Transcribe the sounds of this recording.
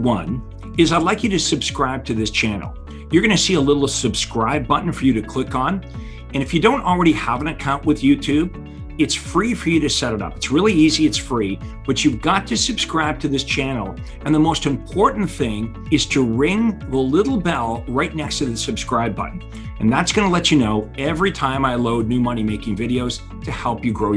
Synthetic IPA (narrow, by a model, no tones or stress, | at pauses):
wʌ̃n | ɨzaɪdˡlaɪkjɨɾɨsɨb̥skɹaɪb̚tʰɨðɪst͡ʃʰænl̩ˠ | jə˞ɡʌñɨsiəlɪɾl̩ˠsɨb̥skɹaɪb̚bʌʔn̩fə˞jɨɾɨkʰl̥ɪkn̩ | ɨ̃ñɨfjɨdõʊ̃ntl̩ˠɹɛɾiəvə̃nɨkʰãʊ̃nʔwɨðjʉtʰʉb | ɨtsfɹifə˞jɨɾɨsɛɾɨɾʌ̰pɨtsɹɪlˠiiziɨtsfɹib̥ʌt͡ʃʉvɡɑtʰɨsɨb̥skɹaɪb̚tʰɨðɪst͡ʃʰænl̩ˠ | ɨ̃nðəmoʊstɨ̃mpʰɔɹʔn̩θɪ̃ŋ | ɨz̥tʰɨɹɪ̃ŋðəlɪɾl̩ˠbɛlˠɹaɪtⁿnɛkstʰɨðɨsɨb̥skɹaɪbʌ̰ʔn̩ | ɨ̃nðætsɡ̥ʌnəlɛt͡ʃɨnoʊɛvɹitʰãɪ̃maɪloʊdⁿnʉmʌnimeɪkɪ̃ŋvɪɾioʊz̥ | tʰɨhɛlˠpjɨɡɹoʊ